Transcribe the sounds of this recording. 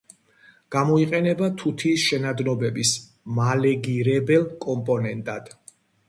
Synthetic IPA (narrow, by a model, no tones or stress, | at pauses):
ɡ̥amɔiqʼɛnɛbat̪ʰut̪ʰiːsʃɛnad̪nɔbɛbis | malɛɡiɾɛbɛlˠkʼɔmpʼɔnɛnt̪ʼad̪̥